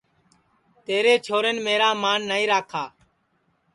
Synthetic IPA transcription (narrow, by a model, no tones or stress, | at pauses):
t̪eːɾeːt͡ʃʰoːɾənmeːɾaːmaːnːaːĩːɾaːkʰaː